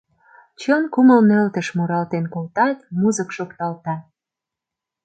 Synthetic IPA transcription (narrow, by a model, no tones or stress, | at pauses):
t͡ɕonkuməlnelt̪ə̆ʃmuɾɑlt̪enkolt̪ɑt̪muzəkʃokt̪ɑlt̪ɑ